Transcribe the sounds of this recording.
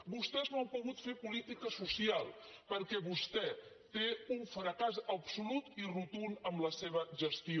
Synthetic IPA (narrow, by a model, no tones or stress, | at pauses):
bust̪ɛznawpuɣut̪fepulit̪ikəsusialˠ | pəɾkɛβust̪ɛ | t̪euɱfɾəkazəpsulut̪irut̪unəmləseβ̞əʒəst̪io